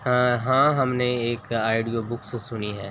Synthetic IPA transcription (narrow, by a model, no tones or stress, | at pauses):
ɦãɦɐmneeːkaːɪɖijobʊkssʊniɦɛː